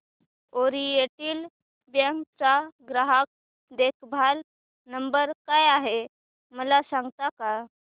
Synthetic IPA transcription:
oɾieʈil | bjəŋkt͡saɡɾaɦək̚ | d̪ekbʱal | nəmbəɾkajaɦe | məlasãŋɡt̪aka

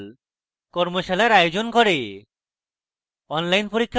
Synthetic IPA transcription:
l | kɔɾmoʃalajɾajod͡ʑonkɔɾe | ɔnlajnpoɾikʰː

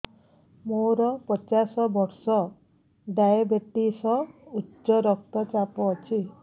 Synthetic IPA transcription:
moɾɔpɔt͡ʃasɔbɔɾsɔ | ɖajabeʈisɔutːʃɔɾɔk̚t̪ɔt͡ʃapɔːt͡ʃʰi

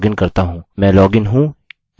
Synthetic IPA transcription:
ɡɪnkɐɾt̪aɦũːmɛ̃ːlɔːɡɪnɦũː | j

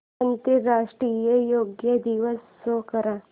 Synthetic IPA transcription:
ɐnt̪iɾaːʂʈɾiːjɐjoːɡjɐd̪iʋɐs | okɐɾɐ

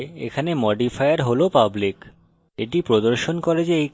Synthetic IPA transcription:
ḛkʰanemɔɖifʰajaɾɦolopablik | eʈipɾod̪oɾʃonkɔɾed͡ʑeej

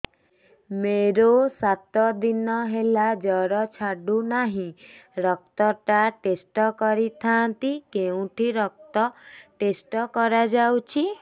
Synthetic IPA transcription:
meɾosat̪ɔd̪inɔɦelad͡ʒɔɾɔt͡ʃʰaɖunaɦĩɾɔk̚t̪ɔʈaʈesʈɔkɔɾit̪ʰant̪ikeũʈʰiɾɔk̚t̪ɔʈesʈɔkɔɾad͡ʒawt͡ʃʰi

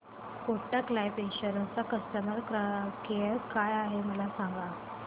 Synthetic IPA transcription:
koʈaklajpeɕəɾot͡sakəst̪əməɾkakeəɾkajaɦeməlasaŋɡa

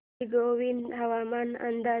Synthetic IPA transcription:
ɡoːʋind̪ɦɐʋaːmaːnɐ̰nd̪aː

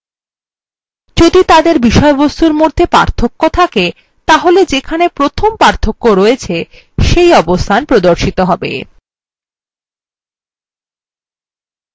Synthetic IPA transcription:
d͡ʑod̪it̪ad̪eɾbiʃɔebost̪uɾmod̪ʱːepa̰ɾt̪ʰokːot̪ʰake | t̪aɦoled͡ʑekʰanepɾot̪ʰompaɾt̪ʰokːoɾoet͡ɕʰe | ʃejɔbost̪ʰanpɾod̪oɾʃit̪oɦɔbḛ

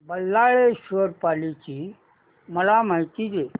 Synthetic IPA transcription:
bəlːaɭeɕʋəɾpalit͡ɕiː | məlam̤ajt̪id͡ʑe

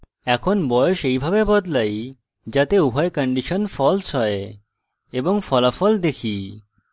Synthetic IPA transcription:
ɛkʰonbɔjoʃejbʱabebɔd̪laj | d͡ʑat̪euɦʰaekəɳɖiʃonfɔlsɦɔe | eboŋfɔlafɔld̪ekʰi

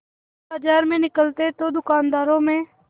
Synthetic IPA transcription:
baːd͡ʒaːɾmẽːnɪkəlt̪et̪oːd̪ʊkaːnd̪aːɾõːmẽː

